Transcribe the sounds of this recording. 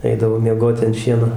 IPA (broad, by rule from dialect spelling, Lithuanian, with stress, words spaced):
ˈɛɪdɐʋoː ˈmʲiɛɡoːtʲ ɐn ˈʃʲiɛnoː